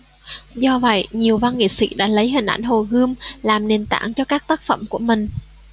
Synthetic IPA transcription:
zɔ˧və̰˧˨jɲi˨˩əwva˧nŋḭ˧˨sḭ˧˥ɗa̰ː˧˥lə˨˦jɦï˨˩ŋ̟ʔa̰˧˩jŋ̟ɦo˨˩ɣɨ˧əmlaː˨˩mne˨˩nt̪a̰ː˧˩ŋt͡ɕɔ˧kaː˦˥k̚t̪aː˦˥k̚fə̰˧˩mku˧˩əmï˨˩ŋ̟

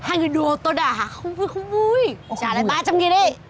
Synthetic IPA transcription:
haː˧jŋɨ˨˩jɗu˨˩ət̪o˧ɗaː˨˩ɦaː˨˩xə˧wŋ͡mvxə˧wŋ͡mvu˧jt͡ɕaː˧˩la̰ː˨ɓaː˧t͡ɕa˧mŋi˨˩əjɗə˧˩

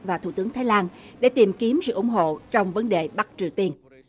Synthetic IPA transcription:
vaː˨˩t̪ʰu˧˩t̪ɨ˨˦əŋt̪ʰaː˨˦jlaː˧nɗe˧˩t̪i˨˩mki˨˦əmsɨ̰˧˨ʔʊ˧˩˦ŋ͡mɦo̰˧˨t͡ɕɔ˧wŋ͡mvə˨˦nɗe˨˩ɓa˦˥t̚t͡ɕi˨˩əwt̪i˧ən

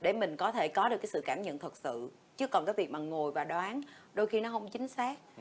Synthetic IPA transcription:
ɗe˧˩mï˨˩ŋ̟kɔ˨˦t̪ʰe˧˩kɔ˨˦ɗɨ˨˩kːjsɨ̰˧˨kaː˧˩mɲə̰˧˨nt̪ʰə˨˩t̚sɨ̰˧˨ | t͡ɕɨ˦˥əkːɔ˨˩nkaː˨˦jvi˨˩ək̚maː˨˩ŋo˨˩jvaː˨˩ɗwaː˨˦nɗo˧jxi˧nɔ˨˦ɦə˧wŋ͡mt͡ɕï˨˦ŋ̟saː˦˥k̚

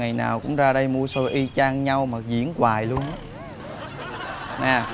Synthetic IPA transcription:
a˨˩jna̰ː˨˩wkʊ̰˧˥ŋ͡mzaː˧ɗə˧jmu˧əso˧jʔi˧t͡ɕaː˧ŋɲa˧wmaː˨˩zḭ˧˥ənkwaː˨˩jlu˧ənʔ | naː˨˩

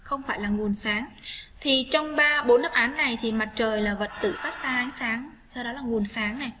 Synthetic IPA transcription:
xə˧wŋ͡mfaː˧˩jlaː˨˩ŋu˨˩ənsaː˨˦ŋt̪ʰi˨˩t͡ɕɔ˧wŋ͡mɓaː˧ɓo˨˦nːə˦˥pʔaː˨˦nːa˨˩jt̪ʰi˨˩ma˨˩t̚t͡ɕəː˨˩jlaː˨˩və˨˩t̚t̪ɨ̰˧˨faː˦˥t̚saː˧ʔa˨˦ŋ̟saː˨˦ŋ | sa˧wɗɔ˨˦laː˨˩ŋu˨˩ənsaː˨˦ŋna˨˩j

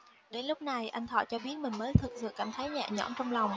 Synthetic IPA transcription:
ɗe˨˦nlʊ˦˥k͡p̚na˨˩jʔa˧jŋ̟t̪ʰɔ̰ː˧˩t͡ɕɔ˧ɓi˦˥ət̚mï˨˩ŋ̟məː˨˦jt̪ʰɨ˨˩k̚sɨ̰˧˨kaː˧˩˨mt̪ʰa˨˦jɲa̰ː˧˨ɲɔ̰˧˩mt͡ɕɔ˧wŋ͡mla˨˩wŋ͡m

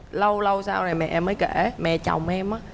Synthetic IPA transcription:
lə˧wlə˧wsaː˧wno˨˩jmɛ̰˨˩ʔɛ˧mːəː˨˦jke˧˩mɛ̰˨ʔt͡ɕa˨˩wŋ͡mʔɛ˧mʔaː˨˦

